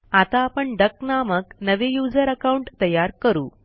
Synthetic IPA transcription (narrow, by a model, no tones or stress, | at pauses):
at̪aːpəɳɖəknaməknəʋejuːd͡zəɾəkauɳʈt̪əjaɾkəɾṵː